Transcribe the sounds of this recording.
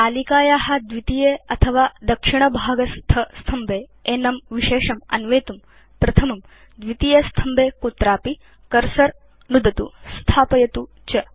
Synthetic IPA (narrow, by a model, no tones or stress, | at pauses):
aːlikaːjaːɦɐd̪ʋit̪ijeɐt̪ʰɐʋaːd̪ɐkʂiɳ̃ɐbʱaːɡɐst̪ʰɐst̪ʰɐmbeː | eːnɐmʋiʃeːʂɐmɐ̰nʋeːt̪um | pɾɐt̪ʰɐmɐm | d̪ʋit̪ijɐst̪ʰɐmbeːkut̪ɾaːpi | kɐɾsɐɾ | nud̪ɐt̪ust̪ʰaːpɐjɐt̪u | t͡ʃɐ